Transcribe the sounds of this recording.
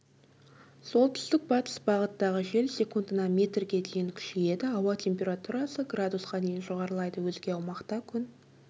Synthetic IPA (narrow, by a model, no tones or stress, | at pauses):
so̞lˠt̪ʰʏ̥st̪ɪk̚bɑt̪ə̥sbɑʁət̪ːɑʁəʒe̞lsʲe̞kund̪ənɑmʲe̞t̪rɡʲe̞d̪e̞jɪŋkʲʰʏ̥ʃeje̞d̪ɪɑwɑt̪ʲʰe̞mpʲe̞ɾat̪uɾɑsəɡrad̪usqɑd̪e̞jɪnʒoʁɑɾəlˠɑjd̪əwɵzɡʲe̞ɑwmɑqt̪ɑkʲʰʏn